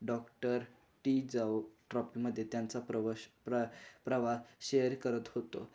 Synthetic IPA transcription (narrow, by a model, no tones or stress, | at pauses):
ɖɔkʈəɾ | ʈid͡zauʈɾɔpiməd̪ʱːjet̪jant͡sa | əpɾəʋaɕejəɾkəɾət̪ɦot̪o̰